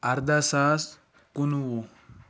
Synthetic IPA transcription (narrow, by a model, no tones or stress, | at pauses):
ɐɾd̪asas | kunwu